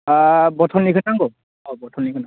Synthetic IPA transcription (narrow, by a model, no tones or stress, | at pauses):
bɔtʰɔnːikʰɯnaŋɡɔ | ɔbɔtʰɔnikʰɯna